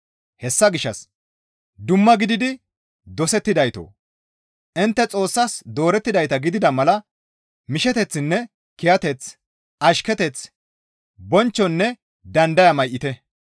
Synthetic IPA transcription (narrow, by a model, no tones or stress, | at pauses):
hɛsːɐɡɪʃːɐs | d̪ʊmːɐɡɪd̪ɪd̪ɪ | d̪ɔsɛt̪ːɪd̪ɐjt̪o̰ː | ʔɪnt̪ːɛt͡sʼo̞ːsːɐsd̪o̞ːɾɛt̪ːɪd̪ɐjt̪ɐɡɪd̪ɪd̪ɐmɐlɐ | mɪʃɛt̪ɛt͡sːɪnːɛ | kɪjɐt̪ɛt͡s | ʔɐʃkɛt̪ɛt͡s | bɔnt͡ʃːɔnːɛ | d̪ɐnd̪ɐjɐmɐjʔːɪt̪ɛ